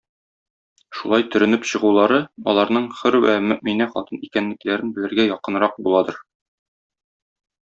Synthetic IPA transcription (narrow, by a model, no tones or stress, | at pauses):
ʃulˠɑjt̪ɵ̆ɾɵ̆nɘpɕɤ̆ʁulˠɑɾɤɒ̰lˠɑɾnɤɴχɘɾwæ̰mɘminæχɒ̰t̪ɤnikænlːɘ̆klæɾɘnbɘ̆lɘ̆ɾɡæjɒqɤ̆nɾɑq̚bulˠɑd̪ɤɾ